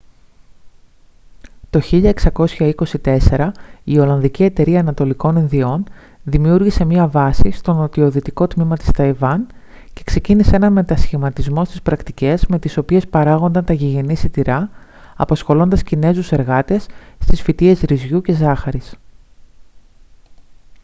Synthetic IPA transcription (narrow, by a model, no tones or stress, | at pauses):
t̪o̞çiʎɐeksɐko̞sçɐiko̞sit̪e̞se̞ɾɐio̞lɐnðicie̞t̪e̞ɾiɐːnɐt̪o̞liko̞ninðio̞n | ðimiuɾʝise̞mɲiɐvɐsist̪o̞no̞t̪io̞ðit̪iko̞t̪mimɐt̪i̥st̪ɐivɐn | ce̞kse̞ciniseenɐnme̞t̪ɐsçimɐt̪izmo̞st̪ispɾɐkt̪ice̞zme̞t̪iso̞pie̞spɐɾɐɣo̞nd̪ɐnt̪ɐʝiʝe̞nisit̪iɾɐ | ɐpɐsxo̞lo̞nd̪ɐscine̞zuse̞ɾɣɐt̪e̞sːt̪isfit̪ie̞zɾizʝuce̞zɐxɐɾis